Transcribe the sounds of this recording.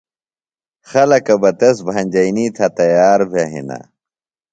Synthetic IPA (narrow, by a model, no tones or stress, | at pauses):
xɐlɐkɐbɐt̪ɐsbʱɐnʲd͡ʑɐiniːt̪ʰɐt̪ɐjaːɾbʱeɦḭna̰